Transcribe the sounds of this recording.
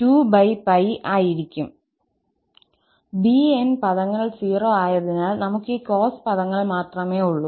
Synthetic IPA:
tuːbɐjpɐjʔaːjiɾikʲːum | bienpɐðɐŋːɐɭsiːroːaːjɐðinaːlnɐmukːɨko̞ːspɐðɐŋːɐɭmaːt̪rɐmeːuɭːu

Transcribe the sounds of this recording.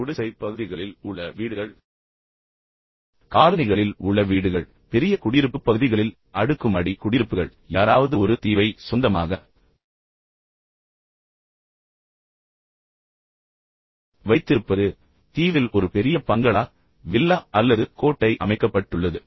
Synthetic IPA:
ʊɽɪsɐɪpːɐɣɯðɪɣɐɭɪlʊɭːɐʋiːɽɯɣɐɭ | kaːɾɐnɪɣɐɭɪlʊɭːɐʋiːɽɯɣɐɭ | pɛɾɪjɐkʊɽɪɾɯpːɯpːɐɣɯðɪɣɐɭɪl | ɐɽɯkːɯmɐɽikʊɽɪɾɯpːɯɣɐɭ | jaːɾaːʋɐðɯɔɾɯt̪iːʋɐɪsʊnd̪ɐma̰ːɣɐ | ʋɐɪt̪ːɪɾɯpːɐðɯ | t̪iːʋɪlɔɾɯpɛɾɪjɐpɐŋɡɐɭaː | ʋɪlːaːʔɐlːɐðɯkoːʈːɐɪʔɐ̰mɐɪkːɐpːɐʈːɯɭːɐðɯ

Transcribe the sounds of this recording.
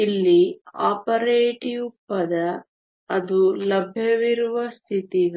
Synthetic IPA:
ilːiaːpɐɾeːʈiupːɐd̪ɐ | ɐd̪ulɐbʱjɐʋiɾuʋɐst̪ʰit̪iɡɐ

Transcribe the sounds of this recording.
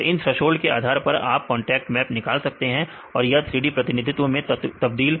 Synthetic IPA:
ɪnsɾɐʃoːlkea̰ːd̪ʱaːɾpɐɾa̰ːp̚kɔ̃ːɳʈɛːk̚ʈmɛːpnɪkaːlsɐk̚t̪eɦɛ̃ | ɔːɾjɐt̪ʰɾiːɖipɾɐt̪ɪnɪd̪ʱɪt̪wõmẽt̪ɐb̚d̪iːl

